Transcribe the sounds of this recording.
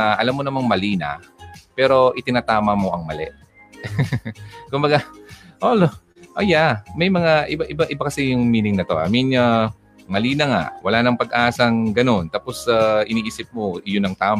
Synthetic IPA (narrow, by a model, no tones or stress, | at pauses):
ʔɐlamːonɐmɐŋmɐliːnɐ̰pɛːɾo̞ʔɪt̪ɪnaːt̪aːmɐmo̞ʔɐŋmɐlɛ̰ʔ | kʊmbɐɡaʔolo | ʔɐjamɐjmɐŋaʔɪbaʔɪbaʔɪbakɐsɛjʊŋmiːnɪŋnɐt̪o̞ʔɐ̰minɲa | mɐliːnɐŋa̰ʔwɐlaːnɐŋpɐɡ̚ʔaːsɐŋɡɐno̞nt̪aːposaʔɪniːʔiːsɪp̚moʔɪjʊnːɐŋt̪aːm